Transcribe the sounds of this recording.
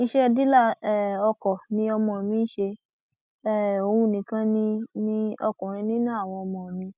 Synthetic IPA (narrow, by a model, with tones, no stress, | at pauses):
ĩ˧ʃɛ˦˧di˦la˦˨˦ɔ˧kɔ˨nĩ˧˦ɔ˧mɔ̃˧˨mĩ˧˦ʃe˧ | ɛ˦˨o˨˧wu˧nĩ˨kã˧˦nĩ˧nĩ˦ɔ˧kɔ̃˨ɾ̃ĩ˧nĩ˦nũ˦a˦˨w̃ɔ̃˧ɔ˧mɔ̃˨mĩ˧